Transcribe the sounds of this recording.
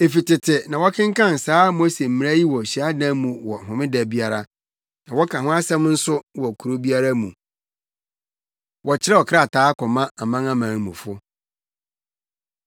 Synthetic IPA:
e˨fi˨tɪ˨tʰɪ˨nã˨wɔ˦kʰɪ̃˦ŋ̩˦kã˦˨n˨saː˦mo˦se˨m̩˨m̃˨˦a˦ji˦wɔ˨ɕi˨a˦dã˦mũ˨wɔ˨ɦʊ̃˨mɪ̃˦dɛ˨bi˦a˨ɾa˨ | nã˨wɔ˦kʰã˨ɦʊ̃˦a˦sɛ̃˦m˦n̩˦sʊ˦wɔ˨kʰu˨ɾo˦bi˦a˦ɾa˦mũ˨ | wɔ˨t͡ɕʰɪ˦ɛ˦ɔ˨kʰɪ˦ɾa˦˨tʰaː˨˦kɔ˨mã˦a˨mã˦ŋã˦mãː˨n˦mṵ̃˨fʊ˦

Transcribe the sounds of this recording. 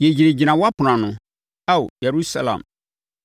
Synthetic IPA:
je˨d͡ʑi˨ɾe˨d͡ʑi˨nã˨wɔ˦a˦pʰʊ˨nã˨nʊ̃˨ | a˦wjɛ˨ɾu˦sa˦lã̰˨m

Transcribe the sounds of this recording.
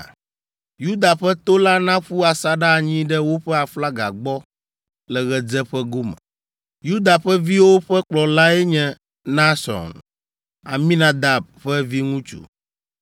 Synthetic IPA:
ju˦d̪a˨ɸɛ˦t̪o˦la˦nã˦ɸu˦a˨sa˦ɖa˦˨ɲĩ˦ɖɛ˦wo˦ɸɛ˦a˨fla˦ɡa̰˨ɡ͡bɔ˦ | lɛ˨ɣɛ˨d͡zɛ˦ɸɛ˦ɡo˦mɛ̰˨ | ju˦d̪a˨ɸɛ˦vi˦wo˦ɸɛ˦k͡plɔ˨la˦ɛ˦ɲɛ̃˦ | na˦sɔ̰̃˨n | a̰˨mĩ˦nã˦d̪a˨b̚ɸɛ˦vi˦ŋũ˦t͡ʃṵ˨

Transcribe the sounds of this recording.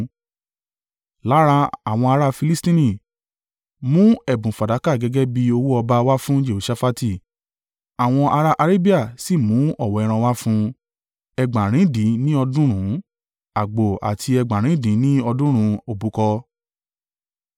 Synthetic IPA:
la˨˦ɾa˧a˨w̃ɔ̃˧a˧ɾa˦fi˧li˦stĩ˦nĩ˨ | mũ˦ɛ˦˨bũ˨fa˨da˨˦ka˦˨ɡɛ˨˦ɡɛ˦bi˧o˧wu˦ɔ˧ba˦wa˦fũ˦d͡ʒe˦˨o˨ʃa˦fa˦ti˦˨ | a˨w̃ɔ̃˧ʔa˧ɾa˦ʔa˧ɾe˦bi˦a˦˨si˦˨mũ˨˦ɔ˦˨wɔ˨ɛ˧ɾ̃ã˧wa˦fũ˦ | ɛ˧ɡ͡bã˨ɾ̃ĩ˨˦dĩ˨˦nĩ˦ɔ˧dũ˦ɾ̃ũ˨˦ | a˨ɡ͡bo˨a̰˨tʰi˧ɛ˧ɡ͡bã˨ɾ̃ĩ˨˦dĩ˨˦nĩ˦ɔ˧dũ˦ɾ̃ũ˨˦o˨bu˨˦kɔ˧

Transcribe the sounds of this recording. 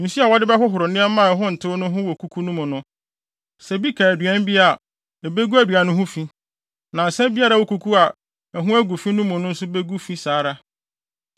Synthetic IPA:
n̩˨su˦a˨wɔ˦dɪ˦bɛ˦ɦʊ˦ɦʊ˨ɾʊ˨nɪ̃˦ɛ˦mːã˦˨ɛ˨ɦʊ̃˦n̩˨tʰɪ˦ʊ˦nʊ̃˦ɦʊ̃˦wɔ˨kʰu˦kʰu˦nũ˦mʊ̃˨nʊ̃˦ | sɛ˨bi˦kʰa˨æ˨dɥɛ̃˦m˦bi˦a˨ | ɛ˨be˦ɡu˦æ˦dɥa˨nʊ̃˦ɦʊ̃˦fĩ˦ | nã˨n̩˨sɛ̃˦bi˦a˦ɾa˦˨wo˦ku˦kʰu˦a˨ | ɛ˨ɦʊ̃˦æ˦ɡu˨fĩ˦nũ˦mʊ̃˨nʊ̃˦n̩˦sʊ˦be˦ɡu˦fĩ˦saː˨˦ɾa˦

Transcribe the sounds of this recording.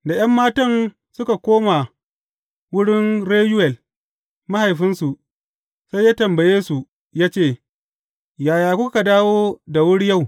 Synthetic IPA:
da˨j̰ɐ˦mːaː˦tɐ˦˨n | sʊ˦ka˨kʷoː˦ma˨ | wʊ˦ɽɪ˦nɽeː˦ju˦wɛ˨l | ma˦ha˨jɸɪ˦nsu˨ | sa˦jːaː˦tɐ˨mbɐ˨jeː˦su˨ | jaː˦t͡ʃeː˦˨ | jaː˨jaː˨kʷʊ˦ka˨daː˦woː˦da˨wʊ˦ɽja˦˨w

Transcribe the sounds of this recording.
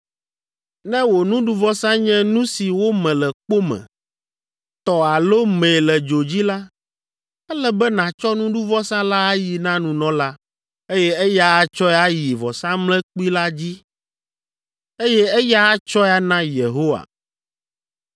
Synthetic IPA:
nɛ̃˦wo˨nũ˦ɖu˦vɔ˦sã˦ɲɛ̃˦nũ˦si˨wo˦mɛ̃˨lɛ˨k͡po˦mɛ̰̃˨ | t̪ɔ˨a˨lo˦mɛ̃˨lɛ˨d͡ʒo˨d͡ʑi˦la˦ | ɛ˦lɛ˦bɛ˦nã˨t͡ʃɔ˦nũ˦ɖu˦vɔ˦sã˦la˦a˦ji˨nã˦nũ˨nɔ̃˦la˦ | e˦jɛ˦ɛ˦ja˦a˦t͡ʃɔ˦ɛ˦a˦ji˨vɔ˨sã˦mlɛ̃˦k͡pi˦la˦d͡ʑi˦ | e˦jɛ˦ɛ˦ja˦a˦t͡ʃɔ˦a˦nã˦je˨ɦo˦wa̰˨

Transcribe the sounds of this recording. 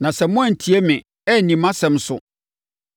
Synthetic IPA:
nã˨sɛ˨˦mʊ̃˦ã˦˨n̩˨tʰi˦ɛ˦mɪ̃˨ | ɛ˦˨nĩ˨mã˦sɛ̃˨m˦sʊ̰˨

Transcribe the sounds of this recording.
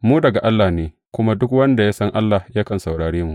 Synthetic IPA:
muː˦dɐ˨ɡa˨ʔa˦lːaː˨neː˨ | kʷʊ˦ma˦dʊ˦kwɐ˦nda˨jaː˦sɐ˦ŋʔa˦lːa˨hjaː˦kɐ˨nsa˨wɽaː˨ɽeː˦mu˨ʔ

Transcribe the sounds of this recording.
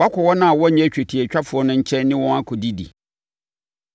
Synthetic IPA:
a˦kʰɔ˨wɔ˦nã˦a˨wɔ˦˨ɲɛ̃˦˨t͡ɕᶣɛ˨tʰi˨ɛ˨t͡ɕᶣa˦fʊ˨ɔ˦nʊ̃˦ɲ̩˦t͡ɕʰɛ̃˦nːɪ̃˦wɔ̃˦a˦kʰʊ˨di˦dḭ˨

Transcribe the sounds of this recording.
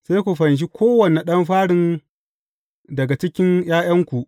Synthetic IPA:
seː˦jkʷu˨ɸɐ˨nʃ̬i˦kʷʰoː˦wɐ˨ne˨ɗɐ˦mɸaː˦ɽɪ˨n | dɐ˨ɡa˨t͡ʃɪ˦kʲɪ˦nj̰aː˦j̰ɐ˦ŋkʷu˨ʔ

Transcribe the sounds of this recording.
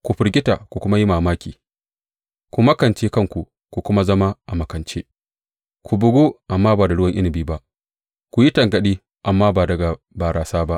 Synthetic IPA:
kʷu˨ɸɪ˨ɾɡʲɪ˦ta˨kʷu˨kʷʊ˦ma˦ji˦maː˨maː˦kʲiː˨ | kʷu˨mɐ˦kɐ˨nt͡ʃeː˦kɐ˦˨ŋkʷu˨ | ku˨kʷʊ˦ma˦zɐ˦ma˦ʔa˨mɐ˨kɐ˨nt͡ʃeː˦ | kʷu˨bʊ˨ɡoː˦ʔa˨mːaː˦baː˨da˨ɽwɐ˦ŋʔɪ˦nɪ˨biː˦ba˦ʔ | kʷu˨ji˦tɐ˨ŋɡɐ˨ɗiː˦ | ʔa˨mːaː˦baː˨dɐ˨ɡa˨ | baː˨ɾaː˨saː˦ba˦ʔ

